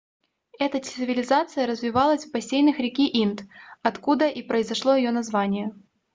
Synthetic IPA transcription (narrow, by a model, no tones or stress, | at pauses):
ɛt̪ətʲɪ̥st̪ɨvʲɪlʲɪzat̪sɨjəɾəzvʲɪvalˠəsʲfpɐsʲejnɨxɾʲɪkʲiʔint̪ɐt̪kud̪əʔipɾəɪzɐʂlˠo̞jɪjonɐzvanʲɪjɛ